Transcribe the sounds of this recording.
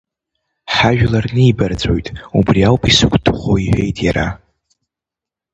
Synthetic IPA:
ħaʒᶣlarnɨibard͡zʷʼo̞̰jtʼubriawpʼisɨkʷʰʼd̥ɨχʷoiħʷᶣe̞jtʼjaɾa

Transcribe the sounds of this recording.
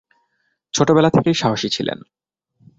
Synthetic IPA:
t͡ɕʰoʈobɛlat̪ʰekejʃaɦoʃit͡ɕʰilḛn

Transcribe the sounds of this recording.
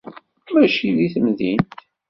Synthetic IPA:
mæʃiðiθəmðint̪

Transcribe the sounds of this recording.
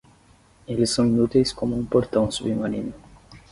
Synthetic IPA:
elɪsːɐ̃w̃inut̪ejskomʊũpoɾt̪ɐ̃w̃subimaninʊ

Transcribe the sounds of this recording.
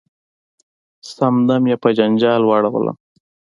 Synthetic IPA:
samd̪amjepad͡ʒand͡ʒɑːlwɑɽawə̰lʔa̰m

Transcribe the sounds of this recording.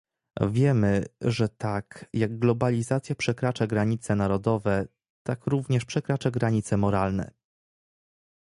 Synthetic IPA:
vʲjɛmɘʐɛt̪akjaɡɡlɔbalʲizat̪sʲjapʂɛkɾat͡ʂaɡɾaɲit̪sɛnaɾɔd̪ɔvɛ | t̪akɾuvɲɛʂpʂɛkɾat͡ʂaɡɾaɲit̪sɛmɔɾalnɛ̰

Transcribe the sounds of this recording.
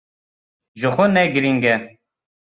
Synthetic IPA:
ʒəxʷʊnɛɡɨɾiŋɡɛ

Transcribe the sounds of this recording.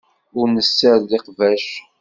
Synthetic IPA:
ʊɾnəsːæɾliqvæʃ

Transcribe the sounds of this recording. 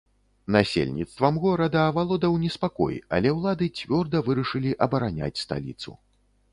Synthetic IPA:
nasʲḛlʲnʲit̪st̪vɐmɣɔɾɐd̪ɐːvalˠɔd̪ɐwnʲɛspakɔ̰jɐ̰lʲɛwlˠad̪ɨt͡sʲvʲɔrd̪ɐvɨɾɐʂɨlʲiʔɐbɐɾanʲa̰t͡sʲst̪a̰lʲḭt̪sṵ

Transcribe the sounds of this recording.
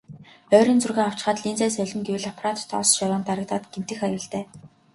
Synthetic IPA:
œːɾiːnt͡surɣeːaw̥t͡ɕɪ̆χaːt̪ɮint͡sæːs̬œɮʲɪ̆ŋɡewɘ̆ɮɔpʰarat̪ʰːɔ̰ːsʃawʊːnt̪aɾə̆k̚t̪aːt̪ɡ̥em̥t̪ɘ̆xajə̆ɮt̪æː

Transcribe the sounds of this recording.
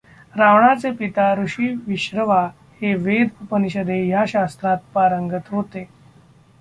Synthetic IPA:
ɾaʋɳat͡sepit̪aɾuɕiːʋiɕɾəʋa | heʋed̪əpəniɕəd̪ʱejaɕast̪ɾat̪̚paɾəŋɡət̪ɦot̪e

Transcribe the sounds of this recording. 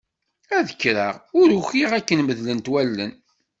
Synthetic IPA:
æðəkːɾəʁʊɾʊxiʁækːənməðlənt̪wælːən

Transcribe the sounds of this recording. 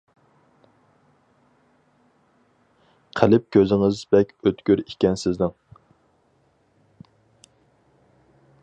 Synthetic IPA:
qʰælɪp̚kʲʰøzɪŋɪzbɛkʲøt̪kʲyɾikʲɛnsɪznɪŋ

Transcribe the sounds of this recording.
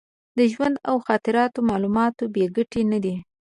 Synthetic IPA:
d̪əʒwand̪awxɑt̪ɪɾɑt̪omɑlumɑt̪obeɡəʈenad̪i

